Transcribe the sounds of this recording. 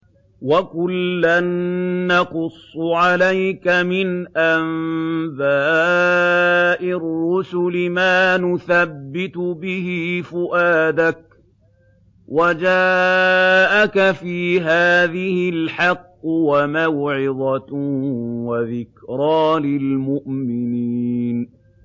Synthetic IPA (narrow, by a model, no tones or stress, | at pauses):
wakʊlːanːɑqʊsˤːʕalajkamɪnʔambaː | ʔɪrːʊsʊlɪmaːnʊθabːɪt̪ʊbɪhɪfʊʔaːd̪ak̚ | wad͡ʒaː | ʔakafiːɦaːðɪhɪlħɑqːwamawʕɪd̪ˤɑ | waðɪkɾˤɑːlɪlmʊʔmɪniiːn